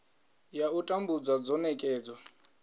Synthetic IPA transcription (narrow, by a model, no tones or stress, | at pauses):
jautʼambud͡zwad͡zɔnɛkʼɛːd͡zwa